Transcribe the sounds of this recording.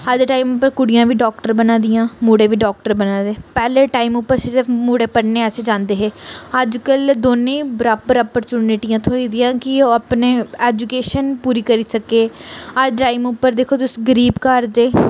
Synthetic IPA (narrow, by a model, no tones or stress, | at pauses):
əd͡ʒʈaːiːmʊpːəɾkʊɽɪjãːʋiːɖɔːk̚ʈəɾbənãːd̪ɪjãːmuːɽẽːʋiːɖɔːk̚ʈəɾbənãːd̪eːpɛːleːʈaːiːmʊpːəɾsɪɾəfmuːɽeːpəɽneːɛːseːd͡ʒãːnd̪eːɦeːəd͡ʒkəld̪oːnẽːbəɾaːpəɾəːpəɾt͡ʃuːnɪʈijãːt̪ʰoːiːd̪ɪjãːkɪoəpneːɛːd͡ʒukeːʃənpuːɾiːkəɾiːsəkeːəd͡ʒʈaːimʊpːəɾd̪eːkʰoːd̪ʊsɡəɾiːbkəɾd̪eː